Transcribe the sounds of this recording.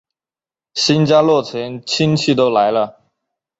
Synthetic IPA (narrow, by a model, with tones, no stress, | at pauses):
ɕi˥nt͡ɕja˥lwɔ˥˩t͡ɕʰɛ˧˥nt͡ɕʰi˥nt͡ɕʰi˥˩t̪o˥ʊla˧˥ɪlə˧